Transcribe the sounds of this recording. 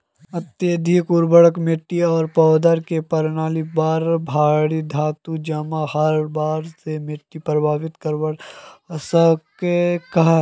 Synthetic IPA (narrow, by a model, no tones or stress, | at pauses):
ɐt̪jed̪ʱikuɾbəɽəkmɪʈːiɔːɾpɔːd̪əɾkepɐɾnaːlibaːɾbʱaːɽid̪ʱaːt̪ud͡ʒɐmahɐɾbaːɾsemɪʈːipɾɐbʱaːʋɪt̪kəɾbəɽsɐkekɐɦ